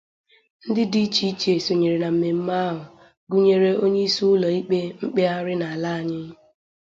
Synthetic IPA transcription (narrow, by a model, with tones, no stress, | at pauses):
n̩˦dɪ˦di˦t͡ʃi˦t͡ʃe˨so˨ɲe˨ɾe˨na˨m̩˦me˨m̩˦ma˦ɦʊ˨ | ɡu˦ɲe˦ɾe˦o˦ɲe˦i˦su˦ʊ˦lɔ˨i˦k͡pe˦ŋ͡m̩˦k͡pe˦a˦ɾɪ˦na˨a˨la˦a˨ɲɪ˦